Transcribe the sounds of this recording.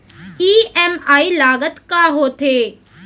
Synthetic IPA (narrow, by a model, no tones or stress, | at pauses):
iːɛmaːilaːɡət̪kaɦoːt̪ʰeː